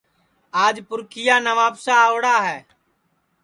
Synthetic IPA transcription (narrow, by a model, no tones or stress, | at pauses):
aːd͡ʒpʊɾkɪjaːnəʋaːpsaːoɽaːɦɛː